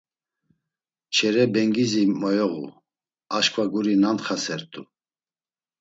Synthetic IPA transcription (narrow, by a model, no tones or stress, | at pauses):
t͡ʃʰɛɾɛbɛŋɡizimɔjɔɣṵ | aʃkʰʼvaɡuɾinant̪χasɛɾt̪ʼṵ